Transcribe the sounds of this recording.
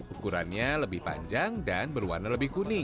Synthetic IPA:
ukuɾanɲaləbɪhpa̰ɲd͡ʒaŋdanbərwa̰rnaləbɪhɡunɪ

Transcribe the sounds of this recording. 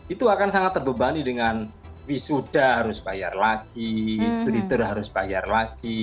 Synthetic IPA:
it̪uakansaŋat̪ːərbəbanidəŋan | wisud̥aɦaɾʊsb̥aja̰rlaɡ̥ist̪ɾit̪ʊrɦaɾʊsb̥ajarlaɡ̥i

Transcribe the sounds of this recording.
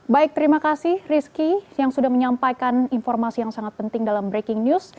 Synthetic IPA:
baik̚t̪əɾimakasɪhriskijaŋsudahməɲampajkaninfɔrmasijaŋsaŋat̪̚pənt̪ɪŋdalambɾekɪŋnjus

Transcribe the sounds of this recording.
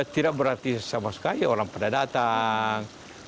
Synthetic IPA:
t̪idaʔ̚bəɾart̪isamasə̥kaioɾaŋpadadat̪aŋ

